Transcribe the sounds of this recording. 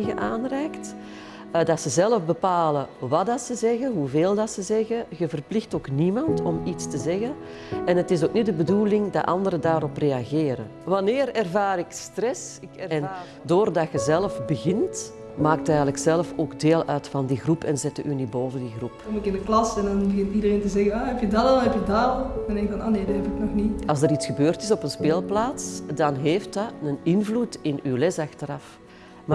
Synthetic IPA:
ɣəʔaːnrɛːkt | dɑtsəzɛləfbəpaːləʋɑdɑtsəzɛɣənɦuveːlˠdɑtsəzɛɣəɣəvərplɪxtoːknimɑntɔmitstəzɛɣən | ɛnɦətɪsoːknitdəbədulɪŋdɑ̰tʔɑ̰ndəɾədaːɾɔpreːɑɣeːɾə̰ʋɑnɪːrɛrvaːɾɪkstrɛsɪkɛn | doːrdɑxəzɛləfbəɣɪnt | maːk̚tɛjɣələksɛlfoːɡdeːlˠœːtfɑndiɣrupʰɛnzɛt̚dəʔyniboːvəndiɣrupɔmɪkɪnəklɑsɛndɑnbəɣɪntidəreːntəzɛɣənaɦɛpjədadnɦɛpjədãndɛŋkvɑnoːneːdɑɦɛpɪknɔxniɑlˠzdəɾitsxəbøːrtɪsɔpənspeːlˠplaːtsdɑnɦeːftɑənɪnvlutɪnywlɛsɑxtəɾɑf | m

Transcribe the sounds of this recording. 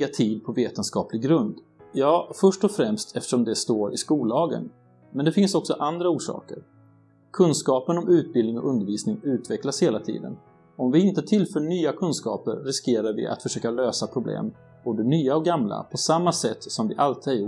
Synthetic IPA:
at̪ʰiːd̪̚pʰɔveːt̪ənskɑ̰ːplɪɡɾɵnd̪ | jɑːfœʂʈɔfɾɛmst̪ʰɛft̪ə̥ʂɔmd̪ɛst̪oːɾɪskuːlɑːɡə̰n | mɛnd̪ɛfɪnsɔksɔʔand̪ɾauːʂɑ̰ːkə̰ɾ | kʰɵnskɑːpənɔmʉ̟ːt̪̚bɪlnɪŋɔ̰ʔɵnd̪əɾviːsnɪŋʉ̟ːt̪vɛklasheːlat̪ʰḭːd̪ə̰n | ɔmvɪɪnt̪ət̪ʰɪlfœːɳyːakʰɵnskɑ̰ːpəɾːɪskeːɾaɾvɪ̰ʔa̰t̪fœʂøːkaløːsapʰɾʊblḛːm | b̥oːd̪ənyːaɔɡamla̰pʰɔsamːasɛt̪ːsɔmvɪʔalt̪ɪæɾju

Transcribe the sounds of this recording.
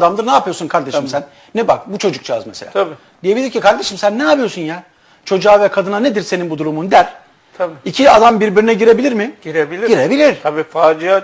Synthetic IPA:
d̪amd̪ɯɾnaːpʰɯjoɾsunkʰaɾd̪eʃɯmsænːɛbak̚but͡ʃʰo̞d͡ʒuk̚t͡ʃʰaa̰zmese̞lʲa | d̪̥ije̞bilʲiɾcikaɾd̪e̞ʃimsænːɛjapɯjosunja | t͡ʃʰo̞d͡ʒuaːvɛkʰad̪ɯnaned̪iɾse̞ninbud̪uɾumund̪æɾ | t̪ʰicʰiad̪ambiɾbiɾinɛɟiɾe̞bilʲiɾmɪɟ̥iɾebilʲiɟiɾebilʲiɾ̥t̪ʰabiːfaːd͡ʒija

